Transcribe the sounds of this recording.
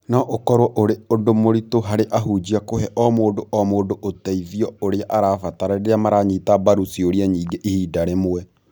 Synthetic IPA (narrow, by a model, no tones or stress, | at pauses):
naʔokɔɾwɔʔoɾeodomoɾitoɦaɾeʔaɦud͡ʒiakohɛʔɔmoːdoʔɔmoːdoʔotɛiðiɔoɾeaʔaɾaːfataɾaɾeɾamaɾaɲitabaɾusioɾiaɲiːɡeʔihiːdaɾemoɛ